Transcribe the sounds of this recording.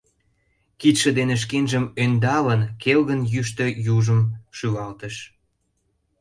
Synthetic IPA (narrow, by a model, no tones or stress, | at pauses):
kit̪ʃə̆d̪eneʃ̬kenʒəmønd̪ɑlənkelɣənjyʃ̬t̪ø̆juʒəmʃyɣɑlt̪əʃ